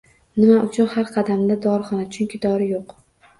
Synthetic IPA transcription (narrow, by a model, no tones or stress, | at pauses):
nɪmaʔʊt͡ʃʰʊnhaɾqʰɑd̪amd̪ad̪ɒɾχɒnat͡ʃʰʊŋkʲɪd̪ɒɾɪjoq